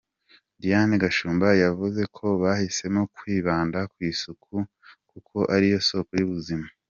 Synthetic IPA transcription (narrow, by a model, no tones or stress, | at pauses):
dijaniɡaʃuːmbajavuze̞kʰo̞βahise̞mokwiːβaːndakwiːsukʰu | kukʰo̞ʔaɾijo̞so̞ːkojuβuzima